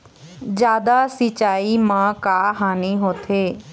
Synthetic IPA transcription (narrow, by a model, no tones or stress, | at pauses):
d͡ʒjaːd̪aːsɪt͡ʃaːiːmãːkaːɦaːniːɦoːt̪ʰeː